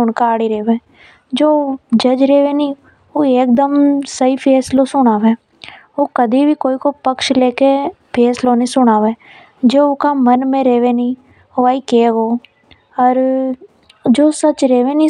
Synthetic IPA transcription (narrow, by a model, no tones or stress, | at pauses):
ʊnkaaːɽiɾeːʋeː | d͡ʒoːd͡ʒəd͡ʒɾeːʋeːnĩː | oːeːk̚d̪əmsəipʰeːsloːsʊɽ̃aːʋẽː | oːkəd̪iːbʱiːkoːiːkoːpəkʃleːke | pʰeːsloːnĩːsʊɽ̃aːʋeː | d͡ʒoːʊkaːmənmẽɾeːʋenĩː | oaːiːkeːɡoː | əɾ | d͡ʒoːsət͡ʃɾeːʋeːnĩ